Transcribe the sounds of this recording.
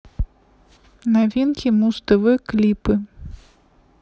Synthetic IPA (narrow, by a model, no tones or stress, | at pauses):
navʲinkʲimust̪ɐvɨklʲipɨ